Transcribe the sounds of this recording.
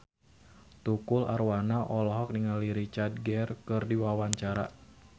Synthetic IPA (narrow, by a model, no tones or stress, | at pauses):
t̪ukʊla̰rwanaʔɔlɔɦɔk̚niŋaliɾit͡ʃard̚ɡɛrkɨrdiwawaɲt͡ʃaɾa̰